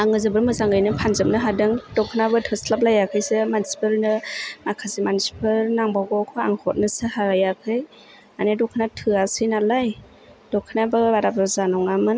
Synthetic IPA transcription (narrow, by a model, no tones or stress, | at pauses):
aŋɯzɯbɯɾmɯzaŋɡɯjnɯpʰanzɯp̚nɯɦadɯŋdɔkʰɯnabɯtʰɯsʰlap̬̚lajakʰɯjsemansi̥pɯlnɯmakʰazimansi̥pʰɯlnaŋbaɡɔkʰɯa̰ŋhɔt̚nɯsɯhaɾajakʰɯj | manedɔkʰɯnatʰɯasɯjnalaj | dɔkʰːɯnabɯbaɾabazanɔŋamɯn